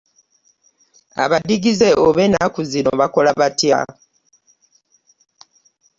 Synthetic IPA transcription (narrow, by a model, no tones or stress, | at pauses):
a̰βadiɡize̞ʔoβenakuzino̰βako̞laβatja̰